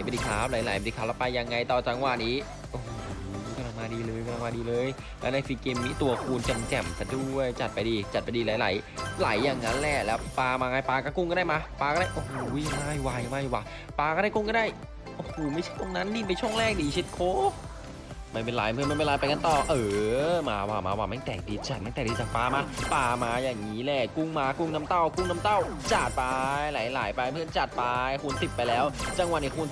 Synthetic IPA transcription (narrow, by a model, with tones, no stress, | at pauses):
a˩˦ma˧diː˧˩kʰaː˦˥wla˨˦jla˨˩˦jdiː˧kʰaː˦˥wlɛ˦˥paː˧ja˧ŋːa˧jt̪ɔː˨˩t͡ɕa˧˥˦ŋwaː˧˩niː˦˥ | ʔo˧˩hka˧nla˧ŋmaː˧diː˧lɤː˧jka˧nla˧maː˧diː˧lɤː˧j | lɛː˦˥na˧˦fi˧keː˧mːiː˦˥t̪u˧ɐkʰuː˧nke˧mkɛ˨˩mkʰa˧˩du˥˩əjt͡ɕa˨˩t̪̚pa˧jdiː˧t͡ɕa˨˩pa˧diː˧la˨˦jla̰˩˦jla̰˨˩˦jːaː˨˩ŋːa˦˥nlɛː˧˩lɛː˦˥wpaː˧maː˧ŋaː˧jpaː˧kɔ˥˩ku˥˩ŋkaː˥˩da˥˩jma˧paː˧ka˥˩da˥˩ʔo˧hoː˧˦jma˧˩jwa˧˩jmaː˧˥˩jwaː˧˩j | paː˧kɔː˥˩ɾaː˥˩ku˥˩ŋkɔ˥˩daː˥˩j | ʔo˧˩hoː˧˩ma˥˩jt͡ɕʰa˥˩jt̪o˧ŋna˦˥ndiː˧˩p̬e˧nt͡ɕʰu˥˩əŋlɛː˥˩k̚diː˧˩t͡ɕʰi˦˥t̪̚kʰoː˦˥ | ma˥˩jpe˧nlaː˨˦jpʰɯ˥˩˨nm˥˩˨jma˥˩˨laː˧jpa˧jka˧nt̪ɔː˨˩ʔɤː˧˦ma̰ː˧waː˧˩ma̰ː˧waː˧˩ma˥˩t̪ɛː˨˩k̚di˧˩t͡ɕa˨˩ma˧˥˩t̪ɛː˨˩diː˧˩t͡ɕaː˨˩k̚paː˧maː˧paː˧maː˧jaː˨˩ŋŋiː˦˥lɛː˧˩ku˥˩ŋmaː˧ku˥˩ŋna˦˥mt̪a˥˩wku˥˩ŋna˦˥mt̪a˥˩w | t͡ɕa˨˩t̪̚paː˧laː˨˦jla̰ː˨˦jpaː˧jpʰɯ˥˩ə˨nt͡ɕa˨˩t̪̚paː˧kʰu˧nsi˨˩p̪̚pːa˧jlɛː˦˥wt͡ɕa˧ŋwa˨˩ni˧˩kʰu˧n